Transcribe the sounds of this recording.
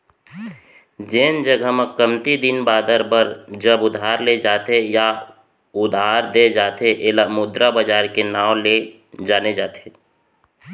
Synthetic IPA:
d͡ʒeːnd͡ʒəɡʱəməkəmt̪id̪ɪnbaːd̪əɾbəɾd͡ʒəbʊd̪ʱaːɾled͡ʒaːt̪eja | ʊd̪ʱaːɾd̪ed͡ʒaːt̪ʰeʔeːlamʊd̪ɾabəd͡ʒaːɾkenaːwle | d͡ʒaːned͡ʒaːt̪ʰe

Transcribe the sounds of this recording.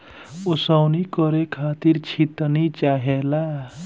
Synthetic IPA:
osawnikɔɾekʰat̪iɾt͡ʃʰit̪nit͡ʃaɦela

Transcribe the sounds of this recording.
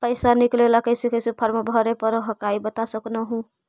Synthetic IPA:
pəɪsaniklelakəjsikəsipʰəɾmabʱɔɾepəɾɦəkaibət̪asəknəɦũ

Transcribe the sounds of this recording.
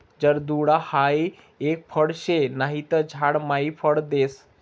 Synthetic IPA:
d͡ʒəɾd̪uɽahai | ek̚pʰəɽʃenaɦit̪əd͡ʒʱaɽmaipʰəɽd̪eːs

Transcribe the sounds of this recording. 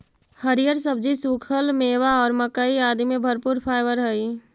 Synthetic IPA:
həɾijəɾsəb̚d͡ʒisuːkʰəlmeːwaɔːɾməkaiaːd̪imẽbʱəɾpuːɾpʰaːɪbəɾɦəi

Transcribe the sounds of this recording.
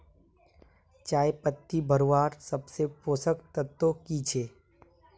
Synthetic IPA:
t͡ʃaːjepət̪ːibʱəɾowaːɾsəbsepoːsəkt̪ət̪ːokit͡ʃʰeː

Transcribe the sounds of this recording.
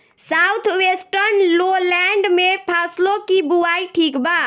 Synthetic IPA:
sawt̪ʰwesʈəɾnlolɛɳɖmepʰaslokibuaiʈʰikba

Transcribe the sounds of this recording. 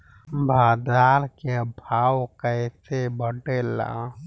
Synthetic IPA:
bʱaːd̪aɾkeəbʱawkəɪsebəɖela̰

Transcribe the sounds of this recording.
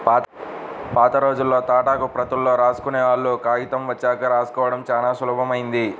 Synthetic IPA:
pː | paːt̪ɐɾo̞ːd͡ʒulːo̞ːt̪aːʈaːkupɾɐt̪ɐlːo̞ːɾaːsu̥kuneːʋaːɭːuːkaːjit̪ɐmʋɐt͡ʃːaːkɐɾaːsu̥kɔːʋɐɽɐmt͡ʃaːlaːsuluːbʱɐmɐjind̪i

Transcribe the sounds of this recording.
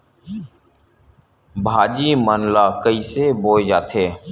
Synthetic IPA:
bʱaːd͡ʒiːmənlaːkəiːseːboːd͡ʒaːt̪ʰeː

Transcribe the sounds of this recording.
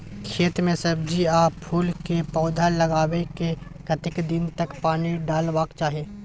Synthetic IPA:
kʰeːt̪mẽsɐbd͡ʒiaːppʰuːlkepɔːd̪ʱalɐɡaːwekekɐt̪ɪkd̪ɪnt̪əkpaːniɖaːlwaːkt͡ʃaːɦieː

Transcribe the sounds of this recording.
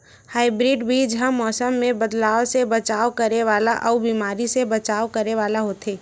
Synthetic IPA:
haːɪbɾiːɖbʱid͡ʒɦãmɔːsəmːẽbəd̪laːʋsebɐt͡ʃaːwkɐɾeʋaːlaʔɔːbiːmaːɾisebɐt͡ʃaːʋkɐɾneʋaːlaɦoːt̪eː

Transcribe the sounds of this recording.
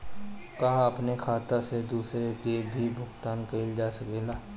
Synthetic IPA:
kaːɐpnekʰaːt̪ased̪uːsɾekebʱibʱʊɡt̪aːnkɐɪld͡ʒaːsɐkeːlaː

